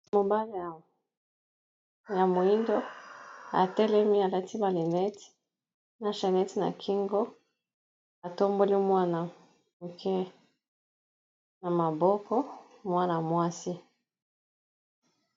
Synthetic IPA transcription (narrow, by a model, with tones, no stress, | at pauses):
mo˨ba˦li˨ | ja˨mo˨i˦ndɔ˦ | a̰˨tɛ˦lɛ˦mi˦a˨la˦ti˦ba˨li˨nɛ˦ti̥˦ | na˨ʃɛ˨nɛ˦ti˨na̰˨kʰi˦ŋɡɔ˦ | a˨to˦mbo˦li˦mwa˦na˨ | mu˨kʰɛ˦ | na˨ma˨bɔ˦kɔ˦mwa˦na˨mwa˦si˦